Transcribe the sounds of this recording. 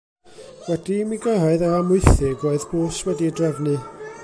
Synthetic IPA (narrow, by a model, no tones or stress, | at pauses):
wɛdimiɡəɦaɨðaamʊɨθɪɡoɨðb̥oːswɛdidrɛvnɨ